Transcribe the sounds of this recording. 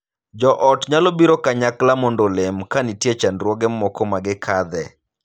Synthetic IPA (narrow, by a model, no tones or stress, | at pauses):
d͡ʒɔʔɔtɲalɔbiɾɔkaɲaklamɔndolemkanitjet͡ʃanɾwɔɡɛmɔkɔmaɡɪkʰad̪ɛ